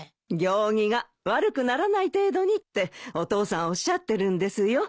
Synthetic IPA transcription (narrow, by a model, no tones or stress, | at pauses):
ɡʲo̞ːŋ̟iɡa | βaɾɯ̟kɯ̟naɾanait̪e̞ːd̪o̞ɲ̟it̪ːe̞o̞t̪o̞ːsãɰ̃o̞ɕːat̪ːe̞ɾɯ̟̃nd̪e̞sɨjo̞